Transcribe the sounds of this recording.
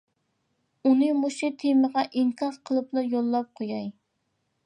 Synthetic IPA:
unɨmuʃɪt̪ʰeməʁɑʔiŋkʰɑɾqʰəlˠɨplˠɑjolˠːɑp̚qʰojɑj

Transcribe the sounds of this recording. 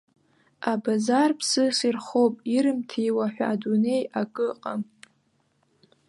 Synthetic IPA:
abazarpʰsɨsirχowpʼiɾɨmtʰijwaħʷᶣaːdune̞jakʼɨqʼam

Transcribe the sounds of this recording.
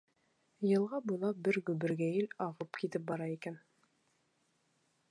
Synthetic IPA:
jɤ̆lˠʁɑbujlˠɑbɘɾɡʉbɘ̆ɾɡæjɘlɑʁɤpkit̪ɘp̚bɑɾɑikæn

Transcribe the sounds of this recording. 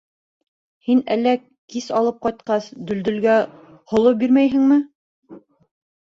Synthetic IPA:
hinælːæ | kisɑlˠɤp̚qɑjt̪̚qɑsd̪ɵ̆ld̪ɵ̆lɡæ | hŏlˠɤp̚biɾmæjɦɘ̆ŋmɘ

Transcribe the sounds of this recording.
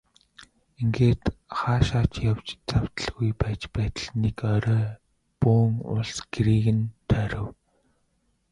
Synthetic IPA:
iŋɡeːt̪χaːʃaːt͡ɕjawt͡ɕt͡saw̥t̪ə̆ɮɣujpæːt͡ɕpæːt̪ə̆ɮnekœɾœː | puːŋʊ̰ɮsɡ̥eɾiːɣɘ̆nt̪ʰœɾɵ̆w

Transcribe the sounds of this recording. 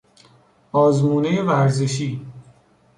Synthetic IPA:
ɒːzmuːnejevæɾzeʃiː

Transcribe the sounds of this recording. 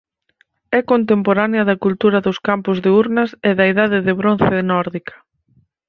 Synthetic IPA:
ɛkont̪̬empoɾanjɐðɐkult̪uɾɐðʊskampʊzðeuɾnɐsɛðɐiðaðɪðɪβɾonθɪnɔɾðikɐ̥

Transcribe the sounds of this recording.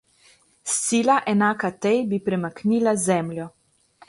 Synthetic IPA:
sːiːlaʔɛnaːkat̪ɛjbipɾɛmakniːlazɛmljɔ

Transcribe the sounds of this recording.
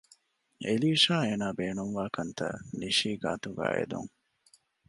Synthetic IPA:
eliːʃaːeːnaːbeːnuŋʋaːkɐnt̪ɐ̰niʃiːɡa̰ːt̪uɡa̰ːḛd̪ṵŋ

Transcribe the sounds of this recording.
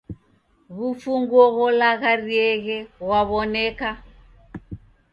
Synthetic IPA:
ɣufuŋɡwɔɣɔlaɣariɛɣɛɣwaβɔnɛka

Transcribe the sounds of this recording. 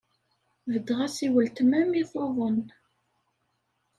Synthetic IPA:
vəd̪ʁæsiwəlt̪mæmiθoðˤən

